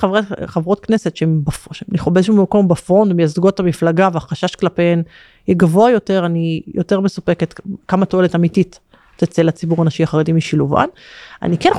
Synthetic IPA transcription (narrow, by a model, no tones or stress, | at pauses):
avaχavʁo̞t̪̚kne̞se̞t̪ʃeembafʃmniχobeezʃumako̞mbafo̞ndmejazɡoetamiflaɡaveaχaʃaʃklapeem | jɛɡavoajo̞te̞ʁanijo̞teʁme̞supeket̪kamat̪o̞e̞letamitit | tet͡selat͡sibuʁanaʃiaχaʁedimiʃiluva̰na̰niken